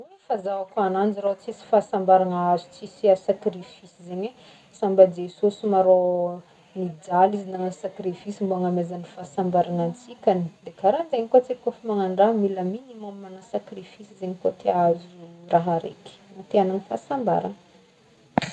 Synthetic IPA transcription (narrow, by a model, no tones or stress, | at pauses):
u | fazaakuanand͡ziɾot͡sisi̥fasambaɾanazu̥t͡sisiasakɾifisizeɲwe | sambad͡zesosimaɾo | nid͡zalizinaŋəsakɾifisimboaŋamezanifasambaɾanant͡sikʲanid̪̥ekaɾand͡zajɲikot͡sekofimaŋaɳɖ͡ʐamiləminimammanasakrifisizeɲikot̪ʰeazuraɦaɾḛki̥nat̪eananifa̰samba̰ɾa̰nə